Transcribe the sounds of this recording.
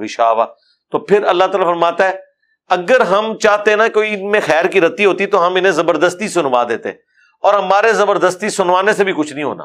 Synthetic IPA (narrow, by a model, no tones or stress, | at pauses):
ɪʃaːʋa̰ː | t̪oːpʰɪɾɐlːaːt̪aːlafɐɾmaːt̪aɦɛː | ɐɡəɾɦɐmt͡ʃaːɦt̪eɛnakoːiɪnmẽxɛːɾkiɾɐt̪iɦoːt̪it̪oɦɐmɪnẽzɐbəɾd̪əst̪isʊnʋaːd̪ḛːt̪ḛɦɛ̃ | ɔːɾɦɐmaːɾezɐbəɾd̪əst̪isʊnʋaːnesebʱikʊt͡ʃʰnəɐɦĩɦo̰ːna̰ː